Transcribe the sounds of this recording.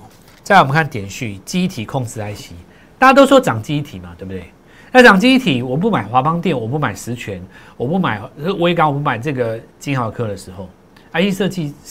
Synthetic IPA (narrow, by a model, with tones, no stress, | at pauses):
t͡sa˥˩ɪwmə̃˨˦kʰa˥˩nt̪jɛ˨˩nɕy˥˨t͡ɕi˥i˥˩t̪ʰi˨˩kʰɔ˥˧ŋt͡sɹ̩˥la˧˦ɪɕi˨˦ | t̪a˥˧t͡ɕa˥t̪̬o˥ʊswɔ˥ʈ͡ʂɑ˨˩ŋt͡ɕi˥˧i˦˥t̪ʰi˨˩ma˨t̪we˥˧˩bt̪e˥˩ | na˥˩t͡sɑ˨˩ŋt͡ɕi˥i˥˩t̪ʰi˨˩wɔ˨˩p̬u˥˩˨ma˨˩ɪxwa˧˥pɑ˦ŋt̪jɛ˥˨nwɔ˨˩p̬u˥˩ma˨˩ɪʂɻ̩˧˦t͡ɕʰɥɛ˨˦nwɔ˨˩pu˥˩ma˨˩ɪ˥˧we˥ɪka˥ŋwɔ˨˩p̬u˥˩ma˨˩ɪt͡sɤ˥˩ɡə˨˩t͡ɕi˥na˨˩ʊə˨kʰɤ˥˩d̪ə˨ʂɻ̩˧˦xo˥˩ʊ | a˧˥i˥˧ʂɤ˥˧t͡ɕi˥˧